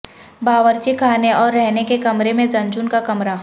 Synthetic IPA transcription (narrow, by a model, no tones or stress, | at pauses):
baːʋəɾt͡ʃikʰaːneɔːɾːɛɦnekekɐmɾemẽd͡ʒɐ̃nd͡ʒʊnkakɐmɾa